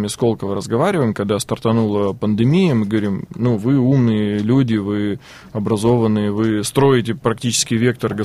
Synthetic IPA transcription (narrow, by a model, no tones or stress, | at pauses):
mʲɪsko̞lˠkəvəɾəzɡɐvaɾʲɪvəjɪmkɐɡ̚d̪ast̪ərt̪ɐnulˠəpənd̪ɨmʲijəmɨɡəvɐɾʲimnuvɨumnɨjəlʲudʲɪvɨ | ɐbɾɐzo̞vənːɨjəvɨst̪ɾo̞ɪtʲɪpɾɐk̚tʲit͡ɕɪ̥skʲɪvʲe̞k̚t̪ərɡə